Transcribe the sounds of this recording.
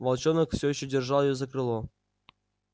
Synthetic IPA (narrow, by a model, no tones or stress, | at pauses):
vɐlˠt͡ɕonəkfsʲojiɕːodʲerʐɑlˠjɪjozɐkrɨlˠo